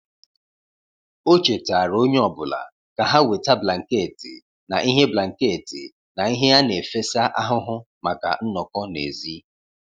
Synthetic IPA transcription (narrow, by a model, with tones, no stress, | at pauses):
o˦t͡ʃe˨ta˨ɾo˦ɲ˦ɔ˨bʊ˨la̰˨ | ka˨ɦa˦we˨ta˦bla˨ŋ̩˨ke˦˨ti˨ | na˨ʔi˦ɦe˦bla˨ŋ̩˨ke˦˨tḭ˨ | na˨i˦ɦe˦a˦ne˨fe˦sa˦ʔa˦ɦʊ˦ɦʊ˦ | ma˨ka̰˨n̩˦nɔ˨kɔ˦nḛ˨zi˦